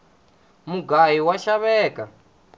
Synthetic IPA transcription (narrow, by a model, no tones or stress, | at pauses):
muɡajiwaʃaβɛːka